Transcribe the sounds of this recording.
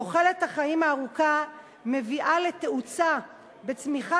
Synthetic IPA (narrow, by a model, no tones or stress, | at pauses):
oχe̞le̞thaχaimaːʁuka | me̞viʔale̞t̪eʔut͡sa | be̞t͡smiχa